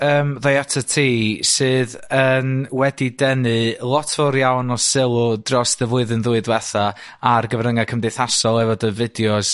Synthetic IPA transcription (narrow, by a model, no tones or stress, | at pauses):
əːmðajatʰətʰiːsɨːð | ənwɛdidɛnɨlˠɔtʰvɔɾjawnɔsɪlˠʊd̥rɔsðəvʊɨðɨnðuɨdwɛθa | arɡəvrəŋakʰəmdejθasɔlˠɛvɔdəvɪdjɔs